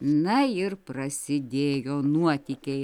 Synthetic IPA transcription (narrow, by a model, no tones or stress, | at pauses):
nɐɪrprɐsʲɪd̪ʲeːjoːnuɔt̪ʲikʲeː